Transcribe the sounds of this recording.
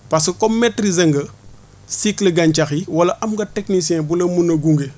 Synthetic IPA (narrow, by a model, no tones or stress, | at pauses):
pɐs̬kɐkɔmmɛtɾizɐŋɡɐ | sikliɡɐɲt͡ʃɐxiwɐlɐʔɐmɡɐteknisiɛ̃bulɐmunɐɡuŋɡe